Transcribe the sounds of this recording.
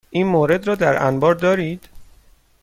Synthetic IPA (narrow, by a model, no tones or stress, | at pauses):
ʔiːnmoːɾe̞d̪ɾɒːd̪æɾæ̰nbɒːɾd̪ɒːɾiːd̪̥